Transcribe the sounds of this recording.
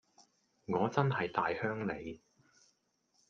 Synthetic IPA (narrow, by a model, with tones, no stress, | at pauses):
ŋɔː˨˧t͡sɐ˥nɦɐ˨jt̪aː˨jhœː˥ŋle˨˧j